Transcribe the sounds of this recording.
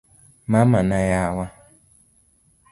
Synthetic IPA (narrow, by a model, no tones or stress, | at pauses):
mamanajawʷa